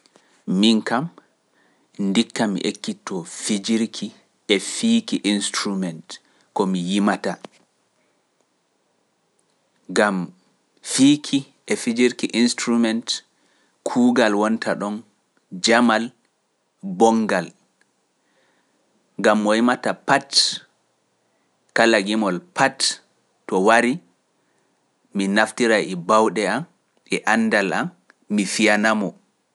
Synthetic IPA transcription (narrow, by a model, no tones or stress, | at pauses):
miŋkam | ndikːamḭʔekːitːɔfid͡ʒiɾkʰi | ʔɛfiːkiʔinstɾumɛnt | kɔmijimata | ɡam | fikʰi | ʔɛfid͡ʒiɾkiʔinstɾumɛnt | kʰuːɡalwɔntʰaɗɔn | d͡ʒamal | bɔŋɡal | ŋɡamːɔhimatapat | kalaɡimɔlpʰat | tɔwaɾi | minaftiɾaɛbawɗɛam | ɛʔanːdala̰mː | ifijanamɔ